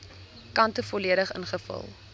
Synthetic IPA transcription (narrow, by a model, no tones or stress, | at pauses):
kɐntəfɔliəɾəχə̰nχəfə̰lˠ